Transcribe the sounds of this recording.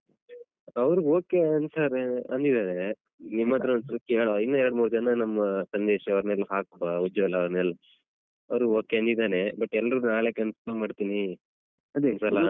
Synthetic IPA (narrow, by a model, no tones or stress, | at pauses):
ɐʋɐɾuoːkeɐnsaɾɐnd̪id̪aːne | nimːɐd̪ɾɐɐnsɐɾɐkːeːɭoinːɐɛɾɽmuːɾd͡ʒɐnːɐnɐmːɐsɐnd̪ɛːʃɐɐʋɾnelːɦaːk̚baud͡ʒɐʋɛlːɐɐʋɾnelːɐ | ɐʋɾuoːkeɐnd̪id̪aːnebɐʈːɛlːɐɾunaːɭekɐnsɐlɐmaːɖt̪iːni | ɐd̪nsɐlːɐ